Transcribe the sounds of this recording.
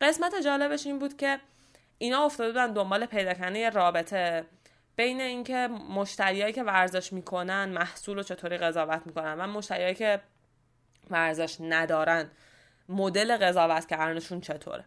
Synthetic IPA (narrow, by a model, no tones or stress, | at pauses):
ɢe̞smæt̪ed͡ʒɒːle̞beʃiːnbuːd̪cʰe̞ | iːnhɒːo̞ft̪ɒːd̪e̞bud̪ænd̪o̞mbɒːle̞pʰe̞jd̪ɒːcʰæɾnd̪ejeɾɒːbe̞t̪ʰe̞ | b̥e̞jneiːŋcʰe̞moʃt̪æɾiːɒːjiːce̞væɾze̞ʃmiːkʰo̞nænmæhsuːlo̞t͡ʃʰe̞t̪ʰoːɾiːɣe̞zɒːvæt̪ʰmiːkonænvæmo̞ʃt̪æɾiːɒːjice̞ | væɾze̞ʃnæd̪ɒːɾæn | mod̪e̞le̞ɣe̞zɒːvæt̪ʰcʰæɾneʃuːnt͡ʃʰe̞t̪ʰo̰ːɾe